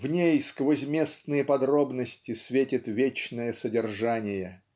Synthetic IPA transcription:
vnʲejskvozʲmʲe̞st̪nɨjəpɐd̪ɾo̞bnəsʲtʲɪsʲvʲetʲɪt̪vʲet͡ɕnəjəsədʲɪrʐanʲɪjə

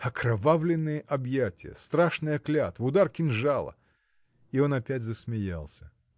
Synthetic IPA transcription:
ɐkɾɐvavlʲɪnːɨjəʔɐbjætʲɪjə̰st̪ɾaʂnɨjɐklʲat̪vʊd̪arkʲɪnʐalˠə̰ | io̞nɐpʲætʲzəsmʲɪja̰lˠsʲə̥

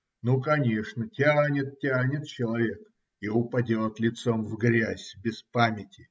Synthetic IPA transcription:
nukɐnʲe̞ʂnətʲanʲɪt̪̚tʲænʲɪt̪̚t͡ɕɪlˠɐvʲe̞k | iʊpɐdʲot̪lʲɪt̪so̞mvɡɾʲæzʲbʲɪspamʲɪtʲɪ

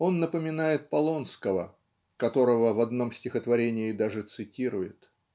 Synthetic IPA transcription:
o̞nːəpəmʲɪnajɪt̪̚pɐlˠo̞nskəvə̰ | kɐt̪o̞ɾəvəvɐd̪no̞msʲtʲɪxət̪vɐɾʲenʲɪɪd̪aʐɨt̪sɨtʲiɾʊjɪ̰t̪

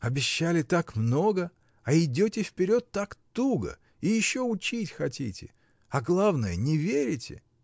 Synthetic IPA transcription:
ɐbʲɪɕːalʲɪt̪akmno̞ɡə | ɐɪdʲotʲɪfpʲɪɾʲo̞t̪ːakt̪uɡə̰ | ijɪɕːo̞ʊt͡ɕitʲxɐtʲḭtʲɪ̰ | ɐɡlˠavnəjənʲɪvʲeɾʲɪtʲɪ̰

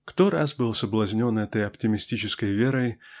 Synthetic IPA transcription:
kt̪oɾa̰sbɨlˠsəblˠɐzʲnʲo̞nɛt̪əjɐptʲɪmʲɪsʲtʲit͡ɕɪskəjvʲeɾəj

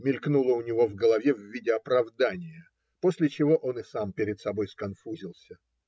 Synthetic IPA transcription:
mʲɪlʲknulˠəʊnʲɪvo̞vɡəlˠɐvʲevvʲidʲɪɐpɾɐvd̪anʲɪjə | po̞sʲlʲɪt͡ɕɪvo̞ʔo̞nɨsampʲɪɾʲɪt̪sɐbo̞jskɐnfuzʲɪlˠsʲə

